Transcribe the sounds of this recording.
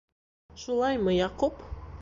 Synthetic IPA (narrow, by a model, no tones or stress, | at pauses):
ʃulˠɑjmɤjɑqup